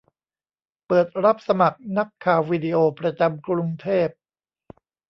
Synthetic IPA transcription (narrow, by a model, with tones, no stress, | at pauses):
pɤː˨˩t̪̚ɾa˦˥p̚sa˧ma˨˩k̚na˦˥kʰːaː˨˩wːiː˧di˧ʔoː˧pɾa˧t͡ɕa˧mkɾu˧ŋt̪ʰeː˥˩p̚